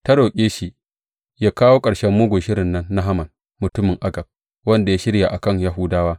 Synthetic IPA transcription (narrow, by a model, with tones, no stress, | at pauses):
tɐ˦ɽoː˨kʲʼeː˦ʃi˨ | jaː˦kaː˦woː˦kʼɐ˨ɽʃɛ˦mːuː˦ɡʷʊ˨ʃɪ˦ɽɪ˨nːɐ˦nːa˦ɦa˦mɐ˨n | mʊ˨tʊ˦mɪ˨ŋʔa˦ɡɐ˨b̚ | wɐ˦nda˨jaː˦ʃɪ˦ɽja˨ʔa˨kɐ˦˨ɲja˦ɦʊ˦daː˦waː˦